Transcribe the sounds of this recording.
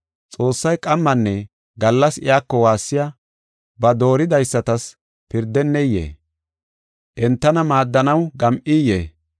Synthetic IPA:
t͡sʼo̞ːsːɐjkʼɐmːɐnːɛ | ɡɐlːɐsɪ̰jaːkːɔwaːsːɪja | bɐd̪o̞ːɾɪd̪ɐjsːɐt̪ɐs | pɪɾd̪ːɛnːɛjḛː | ʔɛnt̪ːɐnɐmaːd̪ːɐnɐwɡɐmʔijḛː

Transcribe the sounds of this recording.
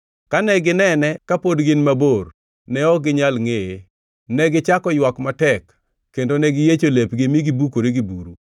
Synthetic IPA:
kanɛɡɪnɛnɛkapodɡɪnmabor | nɛɔɡɪɲalŋee | nɛɡɪt͡ʃakɔjwakmatɛkː | endonɛɡɪjet͡ʃolepɡɪmiɡibukoɾeɡibuɾu

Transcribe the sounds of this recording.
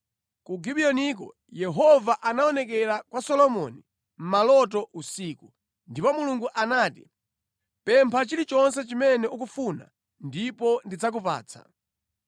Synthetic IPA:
kuɡiɓiɔnik̬ɔ̰ | jɛɦɔvaʔanaɔnɛk̬ɛɾakwasɔlɔmɔ̰ni | m̩malɔt̬ɔʔusiːku | ndipɔmuluŋɡuʔanaːti | pɛmpʰat͡ʃilit͡ʃɔns̬ɛt͡ʃimɛnɛuk̬ufuna̰ | ndipɔndid͡zak̬upa̰ːt͡sʰa̰

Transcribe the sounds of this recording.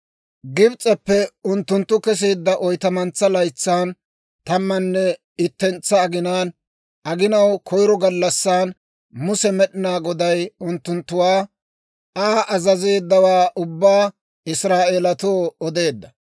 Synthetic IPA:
ɡɪbt͡sʼɛpːɛʊnt̪ːʊnt̪ːʊkɛs̬eːd̪ːɐʔɔjt̪ɐmɐnt͡sːɐlɐjt͡sːaːn | t̪ɐmːɐnːɛ | ɪt̪ːɛnt͡sːɐːɡɪnaːn | ɐɡɪnɐwkʰɔjɾɔɡɐlːɐsːaːn | mʊsɛmɛɗɪnaːɡɔd̪ɐjʊnt̪ːʊnt̪ːʊwaː | aːʔɐzɐzeːd̪ːɐwaːʔʊbːaː | ɪsɾaːʔeːlɐt̪oːɔd̪e̞ːd̪ːɐ

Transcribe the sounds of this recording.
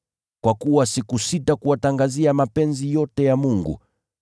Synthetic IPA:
kwakuwasikusitakuwataŋɡaziamapɛnzijɔtɛjamuŋɡṵ

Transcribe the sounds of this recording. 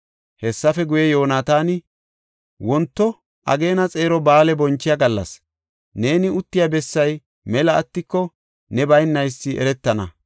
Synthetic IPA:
hɛsːɐfɛɡʊjɛjo̞ːnaːt̪aːnɪ | wɔnt̪ːɔ | ʔɐ̰ɡe̞ːnɐt͡sʼe̞ːɾɔbaːlɛbɔnt͡ʃːɪjaɡɐlːɐ̰s | ne̞ːnɪʊt̪ːɪjabɛsːɐj | mɛlɐːt̪ːɪkːɔ | nɛbɐjnːɐjsːɪʔɛ̰ɾɛt̪ːɐnɐ̰

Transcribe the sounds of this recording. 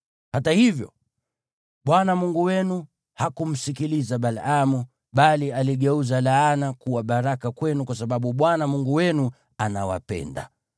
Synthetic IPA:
hatahivjɔ̰ | ɓwanamuŋɡuwɛnu | hakum̩sikilizaɓalamu | ɓalialiɠɛuzalaanakuwaɓaɾakakwɛnukwas̬aɓaɓuɓwanamuŋɡuwɛnu | anawa̰pɛ̰nda̰

